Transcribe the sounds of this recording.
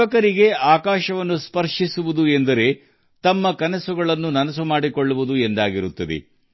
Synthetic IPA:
ɐkɐɾiɡe̞aːkaːʃɐʋɐnːuspɐɾʂisuʋud̪uend̪ɐɾe̞ | t̪ɐmːɐkɐnɐsuɡɐɭɐnːunɐnɐs̬umaːɽikoɭːuʋud̪uend̪aːɡiɾut̪ːɐd̪ḛ

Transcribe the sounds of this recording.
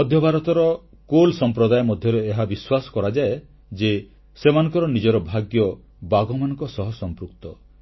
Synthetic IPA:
ɔd̪ʱjɔbʱaɾɔt̪ɔɾɔ | kolsɔmpɾɔd̪ajmɔd̪ʱjɔɾeeɦabiswasɔ̥kɔɾad͡ʒae | d͡ʒe | semanɔ̃ŋkɔɾɔnid͡ʒɔɾɔbʱaɡjɔ | baɡɔmanɔ̃ŋkɔsɔɦɔsɔmpɾuk̚t̪ɔ

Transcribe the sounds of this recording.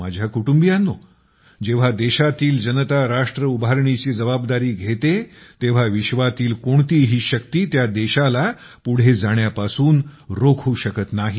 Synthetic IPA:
ma̰d͡ʑʱjakuʈumbijanːo | d͡ʑeʋ̤ad̪eɕat̪iːld͡ʑənət̪aɾaʂʈɾəubaɾɳit͡ɕiːd͡zəbabd̪aɾiːɡʱet̪et̪eʋ̤aʋiɕʋat̪iːlkoɳt̪iːɦiːɕək̚t̪iːt̪jad̪eɕala | puɽ̤ed͡zaɽ̃japasuːnɾokʰuːɕəkət̪naɦi

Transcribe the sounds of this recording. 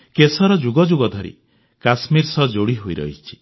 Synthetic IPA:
kesɔɾɔd͡ʒuɡɔd͡ʒuɡɔd̪ʱɔɾḭ | kasmiɾsɔd͡ʒoɽiɦuiɾɔ̰ɦit͡ʃʰi̥

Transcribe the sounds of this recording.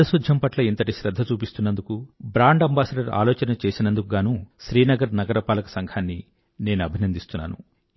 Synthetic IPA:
ɐsud̪ʱjɐmpɐʈlɐint̪ɐʈiʃɾɐd̪ʱːɐt͡ʃuːpist̪unːɐnd̪ukubɾaːɳɖɐmbaːsɐɖɐɾa̰ːlɔːt͡ʃɐnɐt͡ʃe̞ːsinɐnd̪ukuɡaːnuːʃɾiːnɐɡɐɾnɐɡɐɾɐpaːlɐkɐ̥sɐŋɡʰaːnːi | ne̞ːnuɐbʱinɐnd̪ist̪unːa̰ːnṵ

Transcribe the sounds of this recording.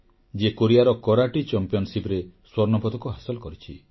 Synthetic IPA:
d͡ʒekoɾijaɾɔkɔɾaʈit͡ʃɔmpijɔnɔsipɾeswɔɾnɔpɔd̪ɔkuɦasɔlɔkɔɾit͡ʃʰḭ

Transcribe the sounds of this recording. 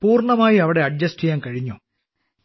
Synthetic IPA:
puːrɳɐmaːjiɐʋiɽe̞ɐɖ̚d͡ʑɐsʈijaːnkɐɻiɲːu

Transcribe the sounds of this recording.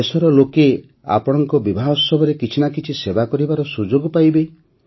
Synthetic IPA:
esɔɾɔloke | a̰pɔɽ̃ɔŋkɔbibʱaɦɔsɔbʱɔɾekit͡ʃʰinakit͡ʃʰisebakɔɾibaɾɔsud͡ʒoɡɔpajbe

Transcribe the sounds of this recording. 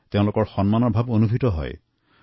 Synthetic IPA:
teʊ̃lʊkɔɹxɔnmanɔɹbʱabonubʱitɔɦɔ̰j

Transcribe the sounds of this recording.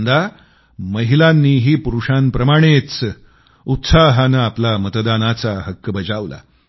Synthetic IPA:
nd̪a | məɦilanːiːɦiːpuɾuʂanpɾəmaɽ̃et͡s | ut̪saɦanəaplamət̪əd̪anat͡saɦəkːəbəd͡ʑaʋla̰

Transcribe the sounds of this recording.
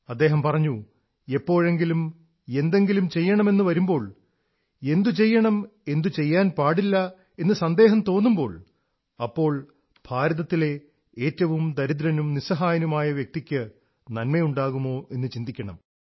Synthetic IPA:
ɐd̪ːeːɦɐmpɐrɐɲːu | e̞pːo̞ːɻe̞ŋɡilum | e̞nd̪e̞ŋɡilumt͡ɕe̞jːɐɳɐme̞nːuʋɐɾumbo̞ːɭ | e̞nd̪ut͡ɕe̞jːɐɳɐme̞nd̪ut͡ɕe̞jːaːnpaːɽilːɐ | e̞nːɨsɐnd̪e̞ːɦɐmt̪o̞ːnːumbo̞ːɭ | ɐpːo̞ːɭ | b̥ʱaːɾɐðɐt̪ːile̞ | eːtːɐʋumd̪ɐɾid̪̬ɾɐnumnisɐɦaːjɐnumaːjɐʋjɐk̚t̪ikʲːɨ | nɐnmɐjuɳɖaːɣumo̞ːe̞nːɨt͡ɕind̪ikʲːɐɳɐ̰m

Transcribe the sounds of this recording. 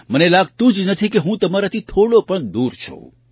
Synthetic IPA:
mənelaɡ̚t̪ũd͡ʒnət̪ʰikeɦũt̪əmaɾat̪ʰit̪ʰoɽopəɳd̪uɾt͡ʃʰo̰

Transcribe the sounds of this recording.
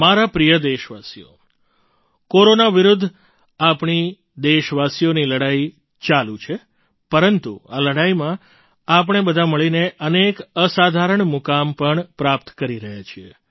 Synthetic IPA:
maɾapɾijəd̪eʃʋasijo̰ | koɾonaʋiɾud̪ʱː | apɳi | d̪eʃʋasijoniləɽai | t͡ʃalũt͡ʃʰe | pəɾənt̪ṵaləɽaimã | ap̬əɳ̃ebəd̪ʱaməɭineʔənekəsad̪ʱaɾəɳmukampəɳpɾapt̪kəɾiɾəɦjat͡ʃʰie

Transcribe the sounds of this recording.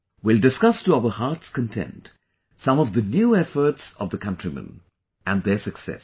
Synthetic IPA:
wɪldɨskʌstuaʊə˞haɹtskə̃ntʰɛ̰̃nt | sʌ̃mɔvðənjuːɛfə˞tsʌ̰vðəkʰʌ̃ntʰɹ̥imə̰̃n | ʔæ̃nðə˞sɨksɛ̰s

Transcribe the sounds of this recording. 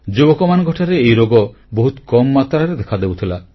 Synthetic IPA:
d͡ʒubɔkɔmanɔɡʱɔʈʰaɾeejɾoɡɔ | boɦut̪kɔmɔːat̪ɾaɾed̪ekʰad̪ebut̪ʰila

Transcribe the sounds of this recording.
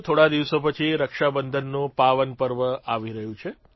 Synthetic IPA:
t̪ʰoɽad̪iʋsopət͡ʃʰiɾəkʃabənd̪ʱənːũpaʋənpəɾʋəaʋiɾəɦjũt͡ʃʰe

